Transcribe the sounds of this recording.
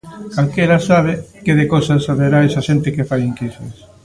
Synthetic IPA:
kalkeɾasaβ̞ekeðekosasːaβeɾaesaʃent̪ɪkefajiŋkisḛs

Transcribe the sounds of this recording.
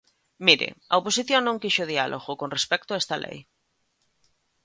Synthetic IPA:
miɾɪ̰ɐoposiθjoŋnõŋkiʃoðialʔoɣokonrespɛk̚t̪ʊaɛst̪ɐlʔḛj

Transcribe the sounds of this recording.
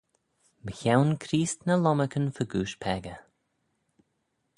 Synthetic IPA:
bəçawnkʰɾiːst̪nəlɔməkənfəɡuːʃpʰɛɡə

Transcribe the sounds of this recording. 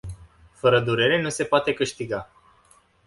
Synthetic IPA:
fəɾəd̪uɾe̞ɾe̞nuse̞poat̪e̞kɨʃt̪iɡa

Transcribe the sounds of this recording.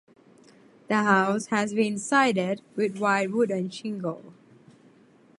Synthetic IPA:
d̥̪əɦaʊshɛsbĩnsaɪdədwɪd̚waɪt̚wudɛ̃nʃɪ̃ŋɡəl

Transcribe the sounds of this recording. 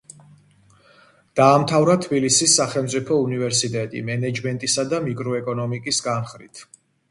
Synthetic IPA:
d̪̥aːmt̪ʰavɾat̪ʰbilisisːaχɛlˠmt̪sʼipʰɔunivɛɾsit̪ʼɛt̪ʼḭmɛnɛd͡ʒmɛnt̪ʼisad̪amikʼɾɔɛkʼɔnɔmikʼisɡanχɾḭt̪ʰ

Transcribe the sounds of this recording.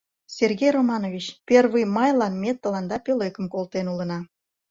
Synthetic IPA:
sʲerɣʲejromɑnovʲit͡ɕpʲervɨmɑjlɑnmet̪ːəlɑnd̪ɑpʲøløkəmkolt̪enulənɑ

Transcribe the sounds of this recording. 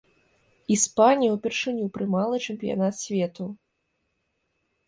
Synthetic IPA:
ispanʲijɐwpʲɛrʂɨnʲupɾɨmalˠɨt͡ʂɛmʲpʲija̰nat̪sʲvʲɛt̪u

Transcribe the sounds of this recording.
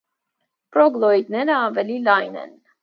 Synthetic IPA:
pɾɔɡlˠɔid̪nɛɾəɑvɛlilɑjnɛ̰n

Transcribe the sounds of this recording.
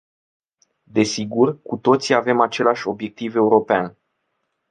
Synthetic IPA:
d̪e̞siɡurkut̪o̞t̪siave̞mat͡ʃe̞laʃʲo̞bje̞k̚t̪ive̞uɾo̞pean

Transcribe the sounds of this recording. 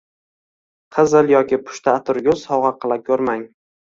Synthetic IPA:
qʰɨzɨlˠjɒkʲɪpʰʊ̥ʃt̪ʰaːt̪ʰʊɾɡʲʊz̥sɒʁɑqʰɨlˠakʲʰɵɾmaŋ

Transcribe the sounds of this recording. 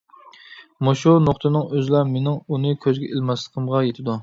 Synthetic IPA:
moʃunoχt̪ʰɨnɨŋøzlˠɑɾmenɪŋunɨkʲʰøzɡʲɛʔelmɑslˠəqʰəmʁɑjet̪ʰɪd̪u

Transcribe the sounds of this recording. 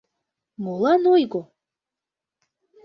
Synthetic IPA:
molˠɑnojɡo

